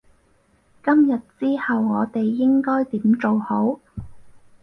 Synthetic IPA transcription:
kɐ˥mjɐ˨t̚t͡siː˥hɐ˨wŋɔː˨˧t̪e˨jːɪ˥ŋkɔː˥jt̪iː˨˥mt͡ʃo˨who˨˥w

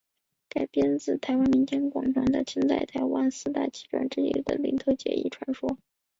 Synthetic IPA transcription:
ka˨˩ɪpjɛ˥nt͡sɹ̩˥˩t̪ʰa˧˥ɪwa˥nmi˧˥nt͡ɕjɛ˥nkwɑ˨˩ŋʈ͡ʂʰwa˧˥nd̪ə˧t͡ɕʰi˥nt͡sa˥˩ɪt̪ʰa˧˥ɪwa˥nsɹ̩˥˧t̪a̰˥˩t͡ɕi̥˥˩ʈ͡ʂwa̰˨˩nʈ͡ʂɻ̩˥ḭ˥˩d̪ə̰˨˩lḭ˧˥nt̪ʰo˧˥ʊt͡ɕjɛ̰˧˥ḭ˥˩ʈ͡ʂʰwa˧˥nʂwɔ˥

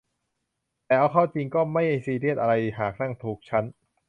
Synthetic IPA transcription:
t̪ɛː˨˩ʔa˧wkʰaː˥˩t͡ɕi˧ŋkɔː˥˩ma˥˩jha˥˩siː˧ɾi˥˩ət̪̚ʔa˧ɾa˧jhaː˨˩k̚na˥˩ŋt̪ʰuː˨˩k̚t͡ɕʰa˦˥n

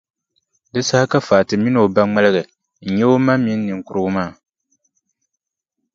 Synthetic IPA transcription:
dɨ˦sa˦hka˦faː˨tɨ˨mi˦no˨ba˦ŋ͡ma˦lɨ˦ɣɨ˨ | n̩˨ɲɛ˦o˦ma˦mi˦nː˦ɨ˨ŋ˦kʊ˨ɾʊ˦ɡʊ˦maː˦˨

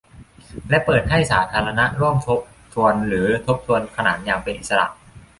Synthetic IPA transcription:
lɛ˦˥ʔpɤː˨˩t̪̚ha˥˩jsaː˩˦t̪ʰaː˧ɾa˧na˦˥ʔɾu˥˩əmt̪ʰo˦˥p̚ | t̪ʰu˧ənɾɯː˩˦t̪ʰo˦˥p̚t̪ʰu˧ənkʰa˧na̰ː˩˦n̚jaː˧ŋpe˧nʔi˨t̪̚sa˧ɾa̰˨˩ʔ

